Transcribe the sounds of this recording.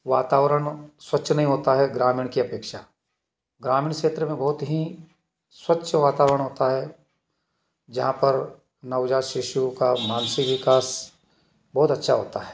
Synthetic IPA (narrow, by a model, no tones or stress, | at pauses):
ʋaːt̪aːʋɾəɽ̃swɐtːʃʰnɐɦĩɦoːt̪aɦɛɡɾaːmĩːɽ̃kiɐpeːkʃaː | ɡɾaːmĩːɳ̃kʃeːt̪ɾəmẽbɐɦʊt̪ɦi | swɐtːʃʰəʋaːt̪aːʋɾəɽ̃ɦoːt̪aɦɛ | d͡ʒɐɦãpɐɾ | nɐʊd͡ʒaːʃɪʃukamaːnsɪkʋɪkaːs | bɐːʊt̪ɐtːʃʰaɦo̰ːt̪a̰ɦɛː